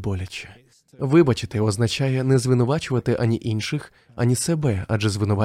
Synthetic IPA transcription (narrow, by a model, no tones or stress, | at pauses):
bɔlʲɐt͡ʃʲɛ̥ | ʋɪbɐt͡ʃɪt̪ɪɔznɐt͡ʃajɛnɛzʋɪnʊʋɑt͡ʃʊʋɐt̪ɪʔɐnʲiʔinʃɪx | ɐ̰nʲisɛbɛaʒɛzʋɪnʊʋɑ